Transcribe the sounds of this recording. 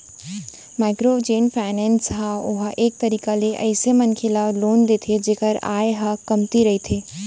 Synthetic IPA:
maːɪkɾod͡ʒeːnfʰaːnɛ̃nsɦaʊɦaʔeːk̚t̪ɐɾiːkaleʔə̰ɪsemɐnkʰelaloːnd̪eːt̪ʰed͡ʒeːkəɾa̰ːeɦakɐmt̪iɾɐɦit̪ʰeː

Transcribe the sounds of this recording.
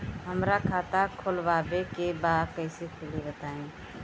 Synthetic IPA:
ɦəmɾakʰaːt̪akʰolʋaːbekebaːkəɪsekʰelibət̪aːẽː

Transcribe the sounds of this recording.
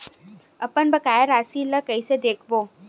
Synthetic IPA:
ɐpənbəkaːjəɾaːsiːləkəised̪eːkʰboː

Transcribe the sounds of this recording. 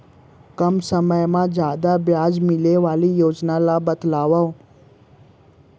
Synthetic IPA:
kəmsəməjmãd͡ʒaːd̪abjaːd͡ʒmɪleʋaːlijoːd͡ʒnalabəd̪laːʋao

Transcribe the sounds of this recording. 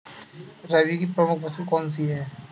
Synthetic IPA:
ɾɐʋikipɾəmʊk̚ʰbɐsukɔːns̬iɦɛː

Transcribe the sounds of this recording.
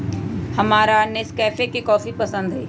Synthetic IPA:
hɐmaːɾaneskɛːfekikɔːfipɐsə̃nd̪ɦɛː

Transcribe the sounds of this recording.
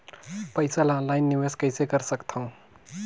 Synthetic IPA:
pəjsalãlajnːiʋeskəjsekəɾsəkt̪ʰə̃w̃

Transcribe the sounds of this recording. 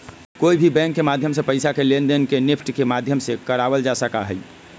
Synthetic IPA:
koibʱibɛ̃ŋkːemad̪ʱjəmsẽpəjsakelend̪ənkenipʰʈkemad̪ʱjəmsẽkəɾabəld͡ʒasəka̰ɦəj

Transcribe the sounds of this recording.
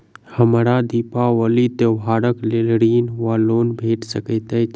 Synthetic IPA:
həmɾad̪iːpawəlit̪eʋɦaːɾəklelɽiːnwaːloːnbʱeːʈsəkət̪e

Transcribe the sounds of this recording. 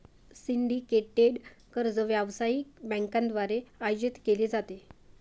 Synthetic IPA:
siɳɖikeʈeɖkəɾd͡zəʋjaʋsajikbɛ̃ŋkãnd̪ʋaɾeajod͡ʑit̪keled͡zat̪e

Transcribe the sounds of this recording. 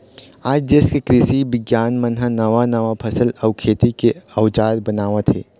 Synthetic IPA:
aːd͡ʒd͡ʒeːskekɾɪʃibɪɡjaːnmənɦənɐʋanɐʋapʰɐsəlɐʊkʰeːt̪ikeɐwd͡ʒaːɾbɐnaːʋat̪ʰɦḛː

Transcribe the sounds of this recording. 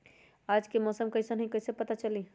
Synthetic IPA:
ad͡ʒkemɔːsəmkəɪsənəɦikəɪsẽpət̪at͡ʃəli

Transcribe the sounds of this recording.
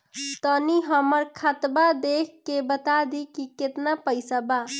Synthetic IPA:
t̪əniɦəməɾkʰat̪bad̪ekʰkebət̪ad̪ikiket̪napəjsaba

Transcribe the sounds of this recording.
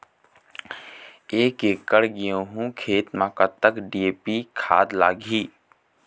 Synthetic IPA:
eːkeːkːəɽɡɪjõɦũkʰeːt̪mãːkət̪ːəkɖieːpikʰa̰ːd̪laːɡʱiː

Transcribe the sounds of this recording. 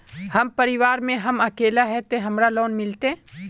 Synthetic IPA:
hɐmpɐɾɪʋaːɾmẽɦɐmɐkeːlaɦɛt̪eɦɐmɾaloːnmɪlt̪ẽ

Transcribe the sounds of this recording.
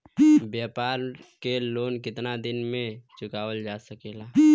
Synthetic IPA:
bjaːpaːɾ | keloːnkɪt̪nad̪ɪnmẽt͡ʃʊkaːʋəld͡ʒaːsəkeːlaː

